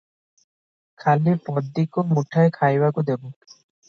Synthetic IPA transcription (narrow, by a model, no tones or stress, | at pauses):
kʰalipɔd̪ːikomuʈʰaekʰajbakud̪ebu